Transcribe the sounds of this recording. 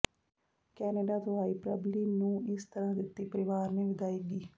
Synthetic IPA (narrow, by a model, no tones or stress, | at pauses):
kɛːneːɖaːt̪ʊaːiːpɾə̰bliːmnũːɪst̪əɾãːd̪ɪt̪ːiːpəɾɪʋaːɾneːʋɪd̪aːiːɡiː